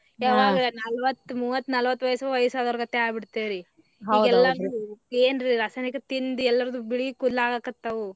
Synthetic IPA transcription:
jaːʋaːɡnɐlʋɐt̪ːmuːʋɐt̪ːnɐlʋɐt̪ːʋɐjsɐʋɐjɐsaːd̪ɐɾɐɡɐt̪ːeaːbiɽt̪eːɾi | ɦɐiːdɡɛlːɐnieːnɾiɾɐsɐnɐkːɐt̪ind̪ɛlːɐɾɐd̪ubiɭikud̪laːɡakɐt̪ːɐʋu

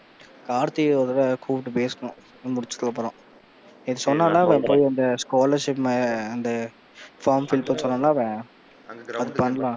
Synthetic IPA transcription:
kaːɾt̪ioːðɐlɐkʰuːʋɪʈːɯpeːskɐnʊ̃ | mʊɽɪt͡ʃːɯ̥k̪ːɐlaːpɐɾõː | ɪðɯsɔnːãːnaːʋɛ̃ːpoːjiɐnd̪ɐskaːlɐɾʂɪpːmaɪnd̪ɐ | faːɾmfɪlpɐsɔnːaːnaːʋẽː | ɐðɯpɐnːɐlãː

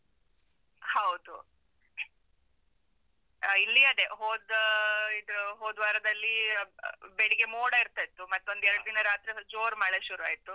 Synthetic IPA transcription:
hɐwd̪u | ilːiɐd̪eɦoːd̪id̪ɦoːd̪ʋaːɾɐd̪ɐlːi | beɽiɡemoːɽaiɾt̪aːjt̪ːumɐt̪ːo̞nd̪ɛɾɐɽud̪inɐɾaːt̪ɾid͡ʒoːɾmaːɭeʃuɾuaːjit̪ːu

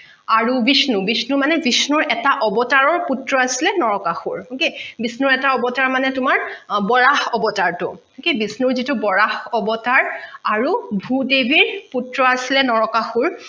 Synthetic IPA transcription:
aɹubisnubisnumanɛbisnuɹɛtaʔɔbɔtaɹɔɹputɹɔasilɛnɔɹɔkaxuɹkebisnuɹɛtaɔbɔtaɹmanɛtʊmaɹbɔɹahɔbɔtaɹtʊ̰ | kebisnuɹzitubɔɹahɔbɔtaɹaɹubʱudebiɹputɹɔasilɛnɔɹɔkaxuɹ

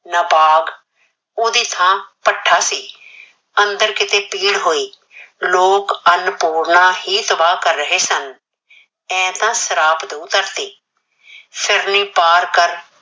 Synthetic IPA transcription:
nəbaːɡ | oːd̪iːt̪ʰãːpəʈʰːaːsiː | ənd̪əɾkɪt̪eːpiːɽɦoːiː | loːkənpuːɽnaːɦiːt̪əbaːkəɾːəɦeːsən | ɛ̃ːt̪ãːsəɾaːpd̪ũːt̪əɾt̪iː | pʰɪɾnĩːpaːɾkəɾ

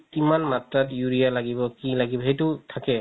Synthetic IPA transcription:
imanmatɹatjuɹijalaɡibɔkilaɡibɔɦejtʊtʰakɛ

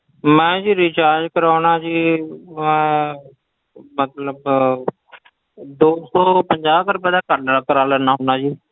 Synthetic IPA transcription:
mɛ̃ːd͡ʒiːɾiːt͡ʃaːɾd͡ʒkəɾaːnaːd͡ʒiːmɛ̃ː | mət̪ləb | d̪oːsɔːpəɲd͡ʒaːbkəɾpɛ̃ːd̪aːkəɾnakəɾaːləːnãːɦoːnaːd͡ʒiː

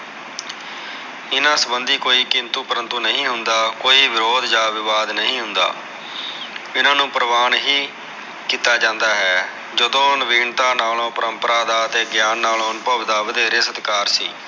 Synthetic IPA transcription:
ɪnãːsəbənd̪iːkoːiːkɪnt̪uːpəɾənt̪uːnəɦĩːɦʊnd̪aːkoːiːʋɪɾoːd̪d͡ʒaːʋɪʋaːd̪nəɦĩːɦʊnd̪a̰ː | ɪnãːnũːpəɾəʋaːnɦiː | kiːt̪aːd͡ʒãːnd̪aːɦɛː | d͡ʒəd̪õːnəʋiːɳt̪aːnaːlõːpəɾəmpəɾaːd̪aːət̪eːɡjaːnːaːlõːnpəʋd̪aːʋəd̪eːɾeːsət̪kaːɾsḭː

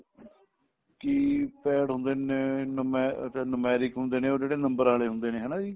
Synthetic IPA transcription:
kiːpɛːɽɦʊ̃nd̪eːeːnmɛːt̪eːnʊmɛːɾɪkɦʊnd̪eːneːoːd͡ʒeːɽeːnəmbəɾaːleːɦʊ̃nd̪eːneːɦɛːnaːd͡ʒiː

